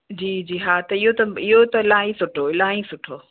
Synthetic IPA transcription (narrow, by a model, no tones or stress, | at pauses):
d͡ʑiːd͡ʑiːɦaːt̪ɐɪɦot̪ɐɪɦot̪ɐɪlaːĩsʊʈʰoɪlãːĩsʊʈʰoː